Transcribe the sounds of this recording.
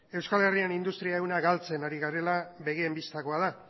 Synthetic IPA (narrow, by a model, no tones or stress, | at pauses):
e̞wskale̞rianind̪ust̪ɾiaewnaɣalt͡se̞naɾiɣaɾe̞laβe̞ɣiembist̪ako̞aða